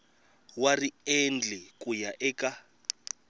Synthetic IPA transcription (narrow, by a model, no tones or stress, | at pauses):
wariend͡ɮɛkʼujaʔɛːkʼa